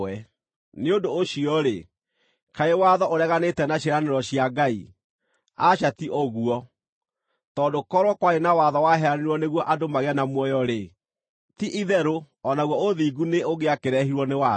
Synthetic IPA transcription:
ɛ | neodoːɕiɔɾe | kaewaðɔʔoɾɛɣanetɛnaɕeɾaneɾɔɕiaɡai | aɕatiʔoɣuɔ | tɔːdokɔɾwɔkwaɾenawaðɔwaɦɛɾaneɾwɔneɣwɔʔadomaɣeanamwɔjɔɾe | tiʔiðɛɾo | ɔnaɣwɔoðiːɡuneoɣeakeɾɛɦiɾwɔnewa

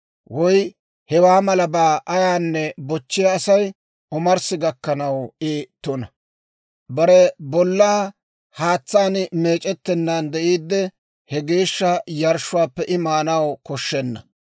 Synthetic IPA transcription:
wɔj | hɛwaːmɐlɐbaːʔɐjaːnːɛbɔt͡ʃːɪjɐːsɐj | ʔɔmɐɾsɪɡɐkːɐnɐwɪt̪ːɔnɐ | bɐɾɛbɔlːaː | haːt͡sːaːnme̞ːt͡ʃʼɛt̪ːɛnːand̪ɛʔiːd̪ːɛ | hɛɡe̞ːʃːɐjɐɾʃʊwaːpːɛʔɪmaːnɐwkɔʃːɛnːɐ

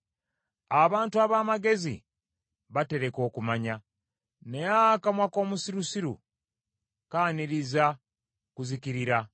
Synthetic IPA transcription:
aβaːntuaβamaɡe̞zḭ | βate̞ɾe̞ko̞ːkumaɲa | nejakamwako̞ːmusiɾusiɾṵ | kaːniɾiza | kuzikiɾiɾa

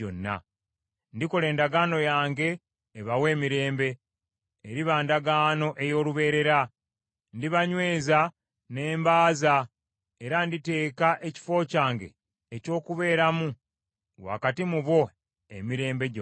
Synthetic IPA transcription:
o̰nːa̰ | ndiko̞le̞ːndaɡaːno̞jaːŋɡe̞ː | βawe̞ːmiɾe̞ːmbe̞ː | ɾiβaːndaɡaːno̞ʔe̞jo̞ːluβe̞ːɾe̞ɾa | ndiβaɲwe̞ːza | ne̞ːmbaːza | e̞ɾandite̞ːkaʔe̞ci̥fo̞ːcaːŋɡe̞̰ː | co̞ːkuβe̞ːɾamu | wa̰katimuβwo̞ | ḛmiɾe̞ːmbe̞ɟo

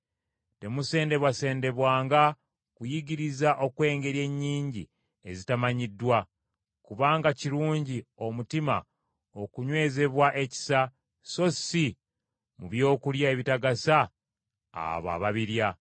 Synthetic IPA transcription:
te̞muse̞ːnde̞βwase̞ːnde̞βwaːŋɡa | kujiɡiɾizaʔo̞kwe̞ːŋɡe̞ɾje̞ɲːiːɲɟḭ | e̞zitamaɲidːwa | kuβaːŋɡaciɾuːɲɟio̞mutima̰ | o̞kuɲwe̞ːze̞βwaʔe̞ci̥sa | so̞si | muβjo̞ːkuljae̞βitaɡasa̰ː | βa̰βaβiɾja

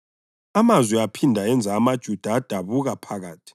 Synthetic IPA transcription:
amazwɛapʰindʱaɛnd͡zʱaːmad̥ʒ̥ʱud̥ʱaːd̥ʱaβuɣapʰaɣaːtʰi̥

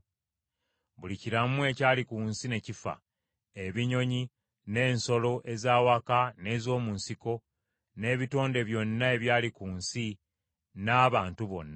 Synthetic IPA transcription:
βuliciɾamue̞caːlikuːnsine̞cifa̰ | e̞βiɲo̞ɲi | ne̞ːnso̞lo̞ʔe̞zaːwakane̞ːzo̞ːmunsiko̞ | ne̞ːβito̞ːnde̞βjo̞nːae̞βjaːlikuːnsi | naːβaːntuβo̞̰nːa

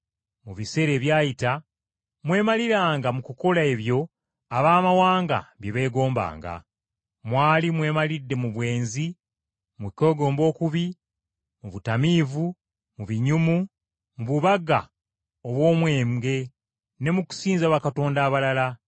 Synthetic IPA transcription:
muβise̞ɾe̞ːβjaːjita | mwe̞ːmaliɾaːŋɡamukuko̞lae̞βjo̞ | aβaːmawaːŋɡa̰βjeβe̞ːɡo̞ːmba̰ːŋɡa̰ | mwaːlimwe̞ːmalidːe̞muβwe̞ːnzi | muko̞ːɡo̞ːmbo̞ːkuβi | muβutamiːvu | muβiɲumu | muβuβaɡa̰ | oβwo̞ːmwe̞ːmɡe̞ | ne̞muku̥siːnzaβakato̞ːndaːβalala

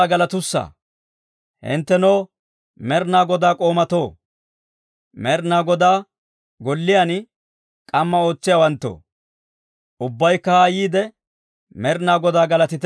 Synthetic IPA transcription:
ɡɐlɐt̪ʊsːa̰ː | hɪ̰nt̪ːɛnoː | mɛɾnaːɡɔd̪aːkʼo̞ːmɐt̪o̞ː | mɛɾnaːɡɔd̪aː | ɡɔlːɪjan | kʼɐmːɐo̞ːt͡sːɪjaːwɐnt̪ːo̰ː | ʔʊbːɐjkːɐhaːjiːd̪ɛ | mɛɾnaːɡɔd̪aːɡɐlɐt̪ɪt̪

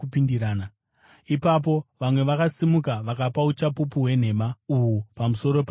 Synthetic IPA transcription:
upindiɾaːna | ipap̬o̞ʋamwe̞ʋakasimukaʋakapaut͡ʃapupuɦwe̞n̤e̞mauwupamuso̞ɾo̞p

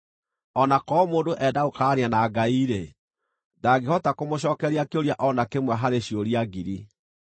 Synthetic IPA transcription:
ɔnakɔmoːndoʔɛdaokaːɾeanaːɡaiɾe | daːɡehɔtakomoɕɔːkɛɾiakeoɾiaʔɔnakemwaɦaɾeɕjoɾiaɡiɾi

